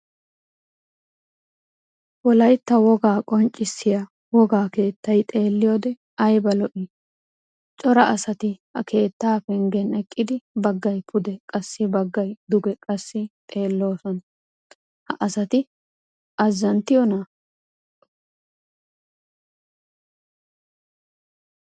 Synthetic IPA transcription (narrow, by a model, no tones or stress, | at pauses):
wɔlɐjt̪ːɐwɔɡaːkʼɔnt͡ʃʼːɪsːɪja | wɔɡaːke̞ːt̪ːɐjt̪ʼe̞ːlːɪjoːd̪ɛ | ɐjbɐlɔʔi | t͡ʃʼɔɾɐʔɐsɐt̪ɪhɐ̰ke̞ːt̪ːaːfɛŋɡɛnɛkʼːɪd̪ɪbɐɡːɐjpʰʊd̪ɛkʼɐsːɪbɐɡːɐjd̪ʊɡɛkʼɐsːɪt̪ʼe̞ːlːo̞ːsɔn | hɐ̰ʔɐsɐt̪ɪ | ʔɐzːɐnt̪ːɪjɔna